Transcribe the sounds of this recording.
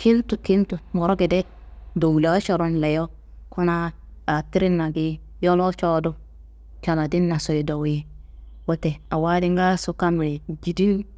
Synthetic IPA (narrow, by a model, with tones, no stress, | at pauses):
kʰi˦ltu˨ki˦ntu˨mo˨ɾo˦ɡi˨de˦ | do˨wle˨˦t͡ʃo˨ɾo˦nle˨jo˦ | ku˦na˦ | a˨ti˦ɾi˦nːa˨ɡi˦ | jo˦lo˦t͡ʃo˦du˦ | t͡ʃa˨na˨di˦nːa˨so˨i˨do˨wi˦ | wo˦te˨a˨wa˦di˦ŋɡa˦su˦ka˦m˨ɾi˨d͡ʒi˨di˦l